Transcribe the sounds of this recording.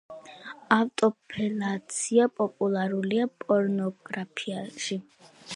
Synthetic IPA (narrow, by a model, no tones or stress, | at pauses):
aft̪ʼɔpʰɛlat̪sʰiapʼɔpʼulˠaɾuliapʼɔɾnɔɡɾapʰiaʃi